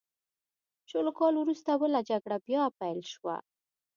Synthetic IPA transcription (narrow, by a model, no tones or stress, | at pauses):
t͡ʃolokɑlwɾust̪awəlad͡ʒaɡɽabjɑpajlʃwa̰